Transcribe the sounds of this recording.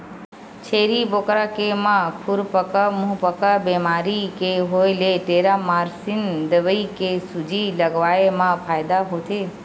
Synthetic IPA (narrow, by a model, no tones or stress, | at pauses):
t͡ʃʰeɾibokɾakemãkʰuɾpəkəmuɦpəkabemaɾikeɦojleʈeɾamaɾsind̪əʋəikesud͡ʒiləɡʋaemãpʰaːjd̪aɦot̪ʰe